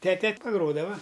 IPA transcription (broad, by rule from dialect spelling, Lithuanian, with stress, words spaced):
ˈtʲæːtʲɛ pɐˈɡroːdɐʋɐ